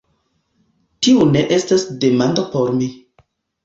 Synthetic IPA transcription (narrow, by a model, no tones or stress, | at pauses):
tiune̞ʔe̞stasde̞mandopoɾmi